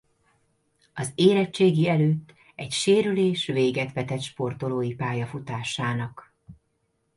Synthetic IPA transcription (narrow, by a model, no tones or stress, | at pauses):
ɒzeːɾɛt͡ʃːeːɡiɛløːt̪ː | ɛcʃeːɾyleːʃveːɡɛt̪ʋɛt̪ɛt̪ʃpo̞rt̪o̞loːjipaːjɒfut̪aːʃaːnɒk